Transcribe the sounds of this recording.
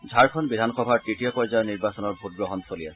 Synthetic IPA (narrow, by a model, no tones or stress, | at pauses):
zʱaɹkʰɔnbidʱanxɔbʱaɹtɹitijɔpɔjzajɔniɹbasɔnɔɹbʱut̚ɡɹɔɦɔnsolias